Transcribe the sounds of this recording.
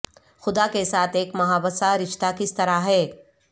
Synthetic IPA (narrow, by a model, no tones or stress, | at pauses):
xʊd̪akesaːt̪ʰeːkmɐɦaːbəsaɾɪʃt̪akɪst̪ɐɾaɦɛː